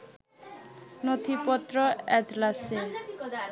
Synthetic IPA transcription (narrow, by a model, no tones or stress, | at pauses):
not̪ʰipɔt̪ːɾɔɛd͡ʒlase